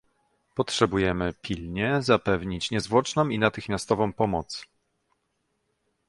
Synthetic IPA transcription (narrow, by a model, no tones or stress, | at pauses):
pɔtʂɛbujɛmɘpʲilɲɛzapɛvɲit͡ɕɲɛzvwɔt͡ʂnɔ̃winat̪ɘxmʲjast̪ɔvɔ̃w̃pɔmɔt̪s